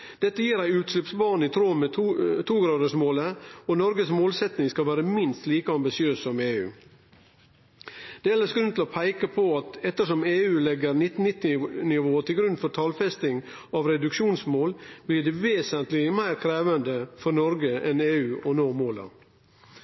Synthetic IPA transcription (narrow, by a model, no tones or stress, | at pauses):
d̪̥ɛt̪ːəjiːɾæɪʉːt̪slʉpsbɑːɳɪt̪ʰɾoːmɛt̪ʰuːɡɾɑːd̪əʂmoːləɔnɔɾɡəsmoːlsɛt̪nɪŋskɑlʋæːɾəmɪnst̪liːkəɑmbɪsɪøːsːɔmeːʉ̰ː | d̪̥ɛɛlːəsɡɾʉnt̪ʰɪlɔpʰæɪkəpʰɔɑt̪ɛt̪ːəʂɔmeːʉːlɛɡəɾnɪt̪n̩ːɪt̪ːɪnɪʋoːt̪ʰɪlɡɾʉnːfɔɾt̪ʰɑlfɛst̪ɪŋ | ɑʋɾɛd̪ʉkʃuːnsmoːlb̥lɪɖɛʋeːsənt̪lɪmæɪɾkʰɾeːʋənd̪əfɔɾnɔɾɡəʔɛneːʉːʔɔnoːmoːlɑ̰